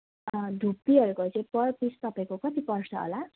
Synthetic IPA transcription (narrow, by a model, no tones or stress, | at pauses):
dʱupːiɦʌɾukot͡sʌ̃j̃pʌrpist̪ʌpaĩkokʌt̪ipʌrsʰʌɦo̰la